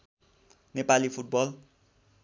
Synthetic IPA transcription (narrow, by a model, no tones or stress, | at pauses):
nepalipʰuʈ̚bʌl